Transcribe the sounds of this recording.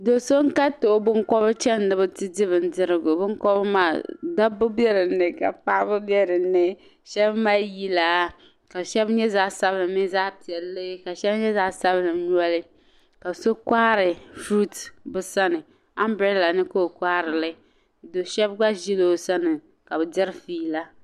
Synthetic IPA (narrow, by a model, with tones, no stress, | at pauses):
do˨so˦ŋ˦ka˦to˨˦bɨ˦ŋkɔ˦bɨ˦t͡ʃɛ˦nː˦ɨ˦bʊ˦tɪ˦dɪ˦βɨ˨n˦dɪ˦ɾɨ˦ɡʊ˨bʊ˦ŋkɔ˦bma̰ː˦˨da˦bʊ˦bɛ˦ɾɨ˨nɨ˨ka̰˨pa˦bʊ˦bɛ˦ɾɨ˨nːɨ˦ | ʃɛ˦bmaː˦ji˦laː˨ | ka˨ʃɛ˦bɲɛ˦zaː˦sa˦bɨ˦nɨ˨mi˦za˦pi˨ɛ˨lːe˦ka˨ʃɛ˦bɲɛ˦zaː˦sa˦bnɨ˨ɲu˦ɔ˦lɪ˦ | ka˨bso˦kaː˦ɾɪ˨fɾu˦tbɨ˨sa˦nɨ˨ | a˦mbɾɛ˦la˨nɨ˦ko˦˨kʷa˦ɾɪ˨lɨ˦ | do˨ʃɛ˦bɡ͡ba˦ʒi˦lo˦˨sa˦nɨ˨ | ka˨bɨ˨dɪ˦ɾfiː˦la˦